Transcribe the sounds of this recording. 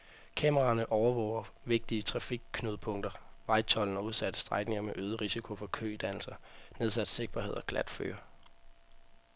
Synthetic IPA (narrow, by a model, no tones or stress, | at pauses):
kʰɛməʁɑ̈nəʔɒʊɐʋɒ̰ʊɐʋe̝ɡ̥̚d̥iət͡sʰʁɑ̈fiɡ̥̚kʰːnyðˠəpʰɔ̽ŋ̰d̥ɐʋɑ̈ɪt͡sʰɒ̽ln̩ɒuðˠsæd̥ə̥sd̥ʁɑ̈ɡ̥ne̝ŋɐmeʔøːð̞ˠəʁisikʰo̝fɒ̽kʰø̰ːid̥æn̰l̩sɐneð̞ˠsæd̥se̝ɡ̥̚b̥ɐhe̝ð̞̰ˠɒ̽ɡ̥læd̥fø̰ːɐ